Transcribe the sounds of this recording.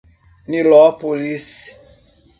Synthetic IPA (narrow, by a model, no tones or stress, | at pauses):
nilɔpolis